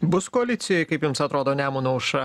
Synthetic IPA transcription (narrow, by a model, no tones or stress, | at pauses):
bʊskoɐlʲɪt̪sʲɪjɛkɐɪpjʊmsɐt̪ɾoːd̪oːnʲæːmuːnɐʊʃɐ